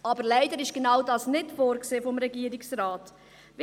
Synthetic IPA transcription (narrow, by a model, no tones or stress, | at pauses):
ɑbəɾlɛɪdəɾɪʃɡ̥enɑwdɑːsnɪtfoːɾkseːfɔmɾɛɡiəɾiksraːt | v